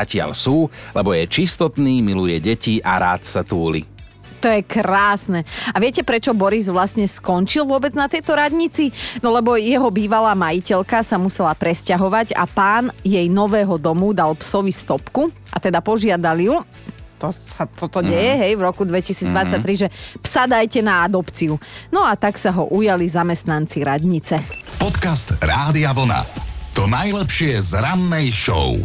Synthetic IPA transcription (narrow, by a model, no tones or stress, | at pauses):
acɪa̰lsuːlɛbɔjɛt͡ʃist̪ɔt̪niːmilujɛɟɛciʔa̰ɾa̰ːt̪sat̪uːlḭ | t̪ɔjɛkɾaːsnɛaʋɪɛcɛpɾɛt͡ʃɔbɔɾizʋlasɲɛskɔnt͡ʃilʋʊɔbɛd͡znat̪ɛjt̪ɔɾadɲit͡sinɔlɛbɔjɛɦɔbiːʋalaːmajicɛʎkasamusɛlapɾɛscaɦɔʋaɟa̰paːnjɛjnɔʋɛːɦɔd̪ɔmud̪alpsɔʋist̪ɔpku | ʔa̰t̪ɛd̪apɔʒɪad̪aliju | t̪ɔsat̪ɔt̪ɔɟɛjɛɦɛjvɾɔkud̪ʋɛcisiːd͡zd̪ʋat͡sːac̚t̪ɾiʒɛpsad̪ajcɛnaad̪ɔpt͡siunɔat̪aksaɦɔ̰ʔujalizamɛst̪nant͡siɾad̪ɲit͡sɛpɔt̪kast̪ɾaːd̪iaʋl̩na̰t̪ɔnajlɛpʃɪɛzɾanːɛjʃɔ̰ʊ